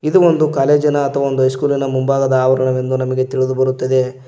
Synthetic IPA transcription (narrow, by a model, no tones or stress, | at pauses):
id̪uond̪ukaːle̞ːd͡ʒinɐːt̪ʰːɐʋɐo̞nd̪uɦɐjskuːlinɐmumbaːɡɐd̪ɐaːʋɐɾɐɳɐʋe̞nd̪unɐmɐɡe̞t̪iɭid̪ubɐɾut̪ːɐd̪e̞